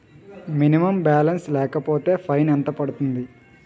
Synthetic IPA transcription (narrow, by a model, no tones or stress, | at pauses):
minimɐmbaːlɐnslɛːkɐpo̞ːt̪e̞ːpʰɐjnɛnt̪ɐpɐɽut̪und̪i